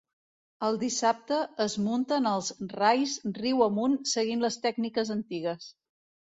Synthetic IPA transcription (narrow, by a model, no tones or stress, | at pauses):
əlˠd̪isap̚t̪əːzmunt̪ənəlˠzrajsriwəmunsəɣinləst̪ɛɡnikəzənt̪iɣəs